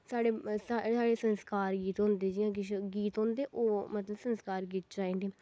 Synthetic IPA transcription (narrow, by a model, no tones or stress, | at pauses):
saːɽeːasaːɽeːsənskaːɾɡiːt̪ɦõːnd̪eːd͡ʒiːãːɡɪʃɡiːt̪ɦõːnd̪eːʔoːmət̪ləbsənskaːɾɡiːt̪̚d͡ʒãːẽːdeː